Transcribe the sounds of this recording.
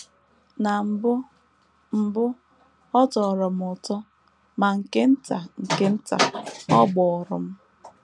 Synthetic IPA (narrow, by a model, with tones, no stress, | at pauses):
na˨b | m̩˨bʊ˦ | ɔ˦tɔ˨ɾɔ˨m̩˦ʊ˨tɔ˦ | ma˨ŋ̩˨ke˦n̩˦ta˨ŋ̩˨ke˦n̩˦ta̰˨ɔ˦ɡ͡bɔ˨ɔ˨ɾʊ˨m̩˦